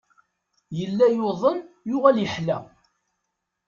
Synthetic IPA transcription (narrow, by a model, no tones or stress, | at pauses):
jəlːæjoðˤənjʊʁæljəħlæ